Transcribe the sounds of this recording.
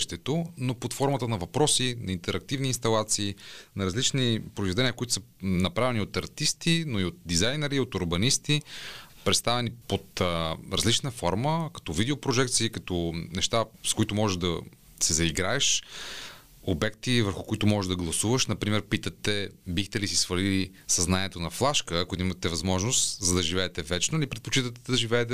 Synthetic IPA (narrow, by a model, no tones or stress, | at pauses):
ʃt̪ɛt̪onopot̪fɔɾmət̪ənɐvɐpɾɔsinɐint̪ɛɾɐk̚t̪ivniːnst̪ɐlˠat̪siːnɐɾɐzlit͡ʃnipɾoizvɛd̪ɛniəkoʊit̪ʊ̥sənɐpɾavɛniot̪ɐɾt̪ist̪inoiot̪̚d̪izajnɛɾiot̪ʊɾbɐnist̪ipɾɛt̪st̪avɛnipot̪ɾɐzlit͡ʃnəfɔɾməkɐ̥t̪ɔvid̪ɛopɾoʒɛk̚t̪siːkɐt̪ɔnɛʃt̪askoit̪ʊmɔʒɛʒd̪ɐ | sɛzɐiɡɾaɛʃ | obɛkt̪ivəɾxʊkoit̪ʊmɔʒɛʒd̪ɐɡlˠɐsuvəʃnɐpɾimɛɾpit̪ət̪ːɛbixt̪ɛlisisvɐlili | sɐznaniɛt̪onɐflˠaʃkəːkoid̪imɐt̪ːɛvɐzmɔʒnost̪zɐd̪ɐʒivɛːt̪ɛvɛt͡ʃnolipɾɛt̪̚pot͡ʃit̪ət̪ːɛd̪ɐʒivɛːt̪̬ɛ